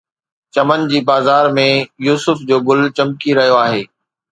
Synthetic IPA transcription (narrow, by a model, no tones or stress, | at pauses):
t͡ɕɐmənd͡ʑiːbaːzaːɾmẽjuːsʊfd͡ʑoːɡʊlt͡ɕɐmkiɾɐɦijoaːɦeː